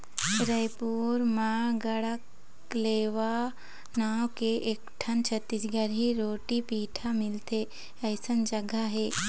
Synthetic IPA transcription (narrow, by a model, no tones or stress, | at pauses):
tɾəjpuːɾmaːɡəɽək | leːʋa | naːwkeʔekʈʰɐnt͡ʃʰɐt̪ːisɡəɾɦiɾoːʈipiːʈʰamɪlt̪e | əːsənd͡ʒɐɡaɦeː